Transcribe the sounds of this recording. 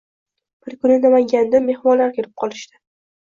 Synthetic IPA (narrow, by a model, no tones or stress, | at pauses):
b̥ɪɾkʰʊnɪnamaŋɡʲand̪ame̞hmɒnlaɾkʲʰeɾɪp̚qʰɒlˠɪʃt̪ɪ̥